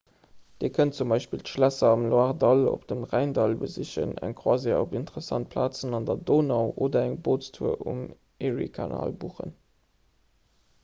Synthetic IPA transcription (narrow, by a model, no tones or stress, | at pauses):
d̥iːəkʰənt̚t͡sumbɑɪʃpiltʃlæsɐɑmloɑʁdɑlo̰pd̥əmʁæɪndɑlbəziɕə̰næ̰ŋkʰχwaːzio̰bintəʁəsɑnt̚pʰlaːt͡sənɑndɐdoːnɑʊʔoːdɐæŋboːtt͡stʰuəʔum | eʁḭkʰɑna̰ːlbuːχə̰n